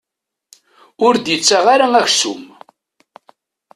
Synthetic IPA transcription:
ʊɾd̪jət͡sːaʁaɾaæçsṵm

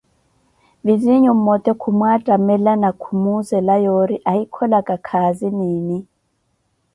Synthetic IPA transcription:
biziɲum̩mɔt̪ʼɛkʰumwatʼamɛlanakʰumuzɛlajɔɾiʔaikʰɔlakʼakʰaziniːni

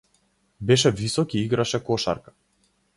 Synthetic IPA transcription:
bɛʃɛvisɔkiiɡɾaʃɛkɔʃa̰ɾkḁ

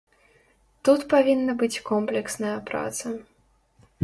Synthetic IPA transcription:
t̪ut̪pavʲinːɐbɨt͡sʲkɔmplʲɛksnɐjɐpɾa̰t̪sɐ

